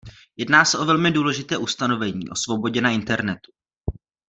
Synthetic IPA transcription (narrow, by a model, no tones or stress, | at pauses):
jɛdnaːsɛʔo̞vɛlmɪduːlɛʒɪt̪ɛːʔust̪ano̞vɛɲḭːʔo̞svo̞bo̞ɟɛnaʔɪnt̪ɛɾnɛt̪u̥